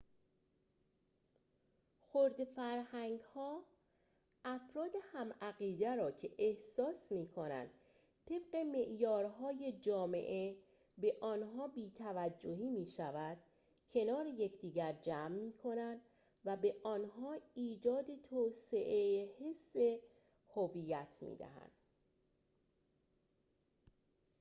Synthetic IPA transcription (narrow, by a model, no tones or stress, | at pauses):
xoɾd̪efæɾhæŋɡhɒː | ʔæfɾɒːd̪e̞hæmæɣiːd̪æɾɒːcʰe̞ʔehsɒːsmiːkʰo̞næ̰nd̪̥ | t̪ʰe̞b̥̚ɢe̞me̞ʔjɒːɾɦɒːje̞d͡ʒɒːmḛʔe | be̞ʔɒːnɦɒːbiːt̪ʰævæd͡ʒːo̞hiːmiːʃævæd̪̥ | cʰe̞nɒːɾejecʰd̪iːɟæɾd͡ʒæːmːiːkʰo̞nænd̪ | væbe̞ʔɒːnɦɒːiːd͡ʒɒːd̪e̞t̪ʰoːse̞ʔejhe̞sːe̞ | hovijæt̪ʰmḭːd̪æ̰hæ̰nd̪̥